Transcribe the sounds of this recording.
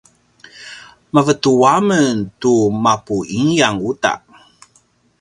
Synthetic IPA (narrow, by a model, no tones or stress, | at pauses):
məvətuaməntumapuiŋjaŋuta̰ʔ